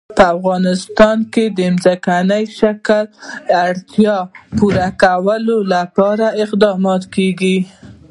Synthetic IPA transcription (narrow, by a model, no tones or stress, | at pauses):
pəafɣɑnɪst̪ɑnked̪əɪmzakanəjʃakəlaɽt̪jɑpuɾakawəlolapɑɾaɪqd̪ɑmɑt̪keɡi